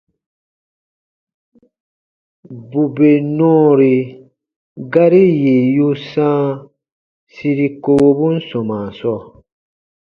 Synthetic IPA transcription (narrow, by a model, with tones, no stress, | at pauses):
bu˨be˨nɔ̃ː˦ɾi˨ | ɡa˦ɾi˦je˨ju˦sãː˦ | si˧ɾi˧ko˧bu˦n̩˦sɔ̃˨mã˨sɔ˦˨